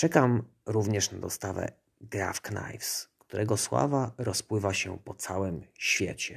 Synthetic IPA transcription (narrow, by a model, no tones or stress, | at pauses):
t͡ʂɛkam | ɾuvɲɛʂnad̪ɔst̪avɛ̰ | ɡɾafkna̰jfskt̪uɾʔɛɡɔswa̰vaɾɔspwɘvaɕɛpɔt̪sawɘmɕfʲjɛ̰t͡ɕɛ